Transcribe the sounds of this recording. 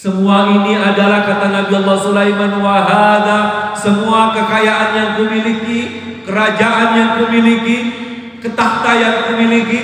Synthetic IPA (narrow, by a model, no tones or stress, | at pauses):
səmuainiadalahkat̪anabialːɔsulajmanwaɦaðasəmuakəkajaʔanjaŋkumiliki | kəɾad͡ʒaʔanjaŋkumiliki | kət̪aht̪ajaŋkumiliki